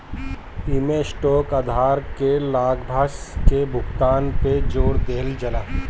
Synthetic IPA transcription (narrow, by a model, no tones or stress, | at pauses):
ɪmesʈoːkəd̪ʱaːɾkelaːɡbʱaskebʱʊɡt̪aːnped͡ʒoːɽd̪eːld͡ʒɐlaː